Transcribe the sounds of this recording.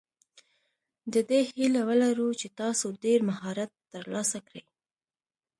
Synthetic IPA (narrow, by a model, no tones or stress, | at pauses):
d̪əd̪ehilawəlaɾut͡ʃet̪ɑsoɖeɾmaɦɑɾat̪ːəɾlɑsakɽəj